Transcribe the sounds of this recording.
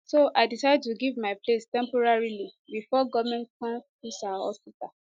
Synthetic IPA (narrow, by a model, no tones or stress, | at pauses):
soʔaɪdisajd̚tuɡivmaɪplestɛ̃mpɔɹaɹilibifɔɡɔvmɛ̃nkã | isaɔ̰sita